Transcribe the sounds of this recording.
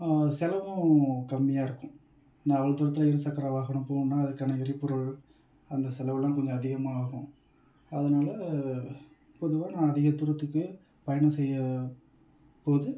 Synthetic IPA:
sɛlɐʋʊ̃kɐmːɪjaːɪɾɯkːʊ̃ | nːãːɐʋɐɭɐt̪ʊɾɐt̪ːɪlɐɪɾɯsɐkːɐɾaʋaːɣɐɳɯ̃mpoːnɯnːaːɐðɯkːaːnɐɪɾɪpːɯɾɐɭ | ɐnd̪ɐsɛlɐʋɐlãːkɔɲd͡ʒɔ̃ɐðɪɣɐmaːɣʊ̃ | ɐðɐnaːlɐ | pɔðɯʋaːnãːɐðɪɣɐt̪ʊɾɐt̪ːɯkːɯ | pɐjɐɳɐ̃sɛjːɐ | poːðɯ

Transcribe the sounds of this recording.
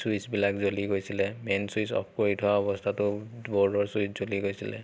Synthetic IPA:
suisbilakzoliɡojsilɛmɛnsuisɔ̰pʰkoɹitʰʊaɔβɔstʰatʊbɔɹdɔɹsuiszoliɡojsilɛ̰

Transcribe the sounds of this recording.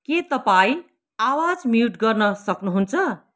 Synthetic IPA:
ket̪ʌpaĩ | awad͡zmiuʈɡʌrnʌsʌknuɦunt͡sʰʌ

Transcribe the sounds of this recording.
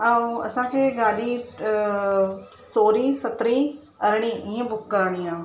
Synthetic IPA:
ɐ̃ɐsãkʰeːɡaːɗi | soːɾisɐt̪ɾi | ɐɾɽ̃iĩẽbʊkːɐɾɽ̃iãː

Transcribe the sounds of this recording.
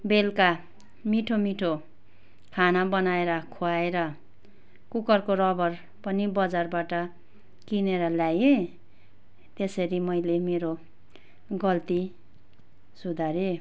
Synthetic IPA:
belka | miʈʰomiʈʰo | kʰanabʌnaeɾʌkʰoaeɾʌ | kukʌrkorʌbʌr | pʌnibʌd͡zarbaʈʌ | kineɾʌljaje | t̪esʌɾimʌjlemeɾo | ɡʌlt̪i | sud̪ʱaɾe

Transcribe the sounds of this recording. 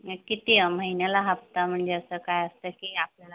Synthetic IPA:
kit̪iməɦinjalaɦap̚t̪am̤əɳd͡zeəsəkajəst̪əkiːapljala

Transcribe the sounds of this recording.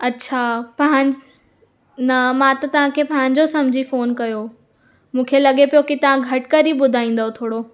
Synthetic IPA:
ɐtːɕʰapɐɦɪ̃ | nɐmãt̪ɐt̪ɐʋ̤ãkʰeːpɐ̃ɦɪ̃ɲ̆d͡ʑosɐ̃md͡ʑʱifoːnkɐjo | mũːkʰelɐɠepijokit̪ɐʋãɡʱɐʈkɐɾiɓʊd̪ʱaːĩːnd̪aɦot̪ʰoːɽo

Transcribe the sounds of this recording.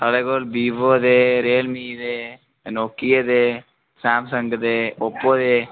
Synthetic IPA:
t̪ɐleɡolbiːʋoːd̪eːɾeːlmijd̪eː | nokːijɐd̪e | saːmsɐŋɡɐd̪eːopːoːd̪eː

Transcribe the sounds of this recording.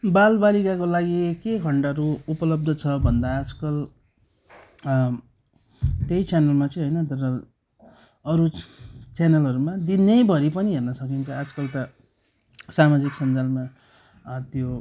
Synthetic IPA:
balbalikakolaɡikekʰʌɳɖaɾuupʌlʌb̚d̪ʱʌt͡sʰʌbʱʌnd̪aːd͡zkʌl | t̪ejt͡sanʌlmat͡sʌ̃ɦʌjnʌt̪ʌɾʌ | ʌɾut͡sjanʌlʌɾumad̪inːʌjbʱʌɾipʌniɦernʌsʌkint͡sʰʌad͡zkʌlt̪ʌ | samad͡ziksʌnd͡zalma | t̪jo

